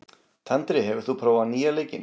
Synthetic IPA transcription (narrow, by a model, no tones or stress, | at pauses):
t̪ʰɛnt̪ɾɪɦɛvʏɾ̥θupʰɾoːwvaniːalejcɪ̰n